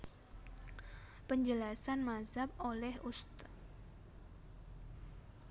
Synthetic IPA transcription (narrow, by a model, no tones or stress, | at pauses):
pəɲd͡ʒəlasanmazap̚olɛhust̪